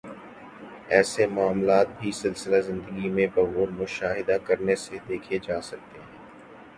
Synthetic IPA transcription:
ɛːsemʊaːmlaːt̪̚bʱisɪlsɪlazɪ̃nd̪əɡimẽbɐɣoːɾmʊʃaːɦɪd̪akɐɾnesed̪eːkʰed͡ʒaːsɐk̚t̪eɦɛ̃ː

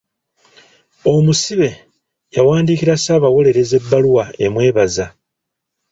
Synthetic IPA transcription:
o̞musiβe̞ | jawaːndiːkiɾasaːβawo̞le̞ɾe̞ze̞bːaluwae̞mwe̞ːβaza

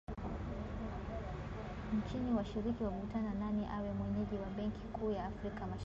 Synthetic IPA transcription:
ɲt͡ʃiniwaʃiɾikiwakutanananiʔawɛmwɛɲɛʄiwaɓɛŋkʰi̥kuːjaːfɾikamaʃ

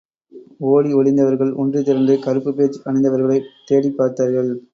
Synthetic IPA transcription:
oːɽiɔɭɪnd̪ɐʋɐɾɣɐɭʊ̰ndrit̪ɪɾɐnd̪ɯkɐɾɯpːɯpeːt͡ʃɐɳɛɪnd̪ɐʋɐɾɣɐɭɐɪt̪eːɽipːaːɾt̪aːɾɣɐɭ

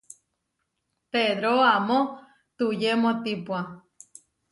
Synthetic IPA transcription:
t̪ed̪ɾoamõ | t̪ujemõt̪ipua

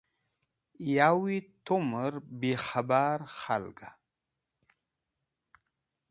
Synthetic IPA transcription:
jawit̪ʰuməɾbexabaɾxa̰lka

